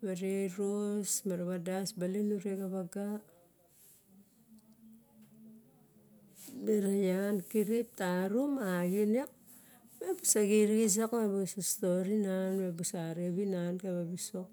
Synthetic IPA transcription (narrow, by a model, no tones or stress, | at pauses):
baɾeɾosmaɾaβadasbalenuɾeɡaβaɡa | deɾajankiɾip̚taɾumaɡinek̚ | mebusaɡiɾis̬akmebusastoɾinanmebusaɾeβinankeβabisok